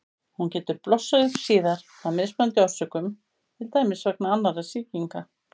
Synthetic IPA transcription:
huncɛːt̪ʏɾplɔsːaðʏ̥siːðaɾ̥ | aðmɪðsmœnt̪ʏḁsœkʏm | t̪ʰɪlt̪aːjmɪsvɛknaanːaɾasiːciŋka

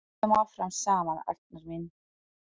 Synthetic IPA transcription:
ɛmafɾamsaːmana̰ɾd̪naɾmin

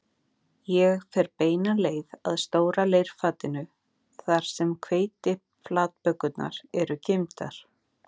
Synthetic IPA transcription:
jɛɣfɛɾpeːjnaleːjðaðst̪oːwɾalejɾ̥faːt̪ɪnʏ | θaɾ̥sɛmkʰveːjt̪ɪ | flaːt̪̚pœkːʏt̪na̰ɾɛɾʏcejmt̪a̰ɾ̥

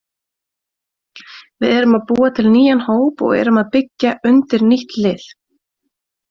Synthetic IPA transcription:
vɪðɛɾʏmaðpuːat̪ʰɪlniːjanhoːwpɔ̰ɣɛ̰ɾʏmaðpɪcːaʔʏnt̪ɪɾniht̪lɪːθ

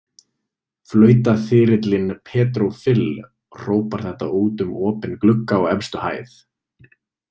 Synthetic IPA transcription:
flœːɥt̪aθɪːɾɪt̪lɪnpʰɛːt̪ɾowfɪl | r̥oːwpaɾ̥θɛht̪a̰uːt̪ʏmɔːpɪnklʏkːaɔɣɛmst̪ʏha̰ːjθ

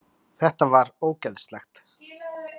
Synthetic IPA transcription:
θɛht̪avaɾoːwcɛðst̪lɛxt̪

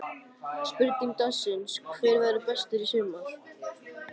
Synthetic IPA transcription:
spʏɾt̪iŋt̪asɪnskʰvɛːɾvɛɾʏpɛst̪ʏɾisʏmaθ

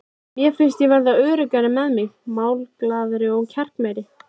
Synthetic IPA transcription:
mjɛfɪn̥st̪jɛvɛɾðaœːɾʏkaɾɪmɛðmɪɣmaːwlklaːðʏɾɪɔɣcʰɛr̥kmajɾɪ

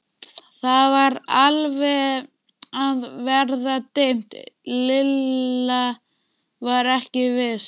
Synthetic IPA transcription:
θaðvaɾalvɛ | aðvɛɾðat̪ejm̥t̪lɪlːa | vaɾɛhcɪvɪðs

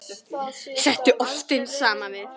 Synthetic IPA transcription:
sɛt̪ːʏʔɔft̪ɪnsaːmavɪ

